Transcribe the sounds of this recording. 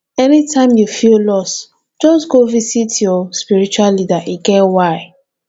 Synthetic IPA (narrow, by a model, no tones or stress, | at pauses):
ɛnitãɪ̃mjufillɔs | d͡ʒɔsɡovisitjɔspiɹit͡ʃualːidaʔiɡɛwaɪ